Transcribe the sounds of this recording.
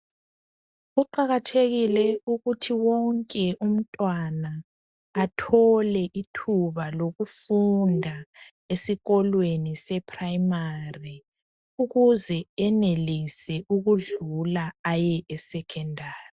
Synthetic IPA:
ɣuǃaɣatʰeɣilɛuɣutʰiwɔŋkʼɛʔum̩tʼwanaː | tʰɔlɛʔitʰuβaloɣufundʱa | esiɣɔlwenisɛpʰʼraimari | uɣuzɛɛnelisɛʔuɣuɮulaajɛʔɛsɛkʰɛndʱaːrii

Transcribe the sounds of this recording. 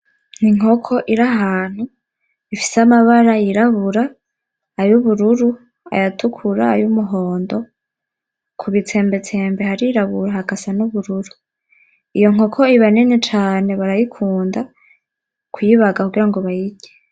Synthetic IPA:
n̥iŋo̞kʰo̞ʔiɾaɦaːn̥hu | ifi̥seamaβaɾajiɾaβuɾaː | juβuɾuɾu | a̰jatʰukʰuɾaːjumuɦoːndo̞ | kʰuβit͡se̞ːmbe̞t͡se̞ːmbehaɾiiɾaβuɾahakasanuβuɾuɾu | ijo̞ŋ̥o̞kʰo̞iβanenet͡ʃaːne̞βaɾajikʰuːnda | kwiβaɡakuɡiɾaŋɡo̞βajiɟe

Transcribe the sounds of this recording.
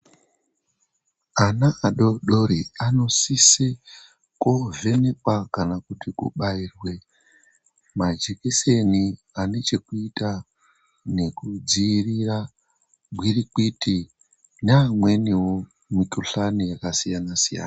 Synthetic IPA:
anaːɗoɗoɾiano̞sise | kove̞nekwakanakutikṵɓairwe̞ | mad͡ʒekese̞ni | ane̞t͡ʃe̞kuita | ne̞kud͡ziːrira | ɡwirik͡pitʰi | namwe̞niwo | mikuɬanijakasijanasija̰ːna

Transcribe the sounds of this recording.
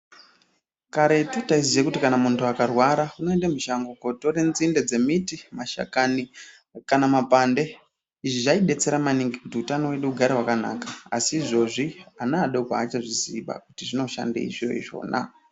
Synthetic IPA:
kaɾe̞tutaizijekutikanamuntuakarwaɾauno̞e̞ndamiʃaŋɡoko̞torenzinded͡ze̞mitimaʃa̰kani | kanamapande̞ | iʐiʐaiɗe̞t͡se̞ɾamaniŋɡikutiutanowe̞ɗuːɡʱaɾeɦwakana̰kaːsiːʐo̞ʐianaːɗokaːt͡ʃaʐiziɓa̰kutiʐino̞ʃa̰ndḛḭʐiro̰iʐo̞̰ːna̰

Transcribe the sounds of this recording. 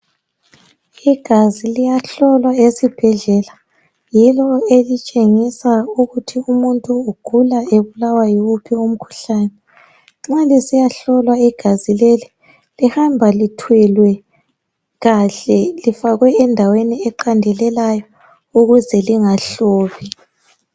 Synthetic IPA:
iɡ̥ʱazilijaɬɔlwaesib̥ʱɛɮɛla | jilɔelit͡ʃʼeŋisauɣutʰiumuntʼuːɡ̥ʱulaeβulawajɔwupʰium̩kʰu̥ɬaːnɛ | ŋ͡ǁalisijaɬɔlwaiɡ̥ʱazileli | lihambʱalitʰwɛlwɛ | ɣaɬɛlifaɣwɛːndʱaweniɛǃandʱɛlɛlajɔ | uɣuzɛliŋaɬɔːβi

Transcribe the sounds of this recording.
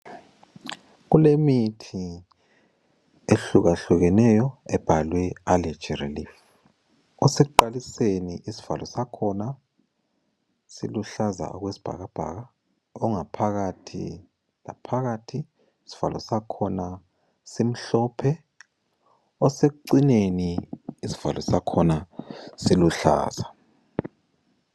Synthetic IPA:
ɣulemitʰi | eɬuɣaɬuɣɛnɛjɔɛb̥ʱalwɛalɛ̥t͡ʃirḭliːf | ɔsɛuǃaliseniʔisi̥v̥a̰lɔsakʰɔna | sḭluɬaza̰ɔɣwesi̥b̥ʱa̰ɣab̥ʱa̰ːɣa | ɔŋapʰaɣatʰḭ | la̰pʰaɣatʰiː | si̥v̥alʔɔ̰sakʰɔna | sem̩ɬɔːpʰɛ | ɔsek̬uǀineniːsi̥v̥a̰lɔsakʰɔnasiluɬa̰ːz̥a

